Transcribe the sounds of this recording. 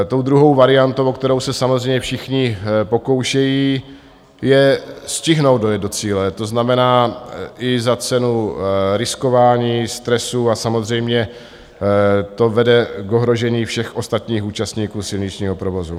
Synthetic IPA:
t̪o̞wd̪ɾuɦo̞wvaɾɪant̪owok̚t̪ɛɾo̞wsɛsamozrɛjmɲɛfʃɪxɲɪpo̞ko̞wʃɛjiː | jɛscɪɦnowd̪do̞jɛd̪do̞t͡siːlɛt̪o̞znamɛnaːʔɪzat͡sɛnuɾɪsko̞vaːɲiːst̪ɾɛsuasamo̞zr̝ɛjmɲɛ | t̪o̞vɛdɛɡo̞ɦɾo̞ʒɛɲiːfʃɛxʔo̞st̪at̪ɲiːxuːt͡ʃast̪ɲiːkuːsɪlɲɪt͡ʃɲiːɦo̞pɾovo̞zu

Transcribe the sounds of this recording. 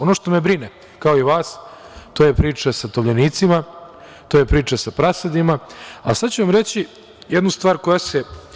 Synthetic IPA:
o̞noʃt̪o̞mebɾine | kaoiʋaːs | t̪ojepɾiːt͡ʂasat̪oʋʎaniːt̪sima | t̪ojepɾiːt͡ʂasapɾased̪imaasad̪t͡ɕuʋamɾet͡ɕi | jed̪nust̪ʋaːɾko̞jase

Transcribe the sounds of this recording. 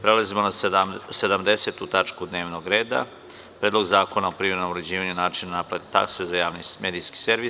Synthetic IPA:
pɾelazimo̞nased̪amd̪ese̞t̪ut̪at͡ʃkud̪ne̞ːʋno̞ɡɾe̞ːd̪a̰ | pɾed̪lo̞ɡzaːko̞naopɾiʋiɾno̞moɾed͡ʑiːʋaɲunaːt͡ʃinanapɾat̪it̪a̰ksezajaːʋnime̞ːd̪ijski̥se̞ɾʋis

